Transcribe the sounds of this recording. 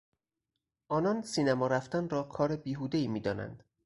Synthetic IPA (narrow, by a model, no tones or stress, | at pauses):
ʔɒːnɒnsiːnæmɒːɾæft̪ænɾɒːkʰɒːɾebiːɦuːd̪eiːmiːd̪ɒːnæ̰nd̪̥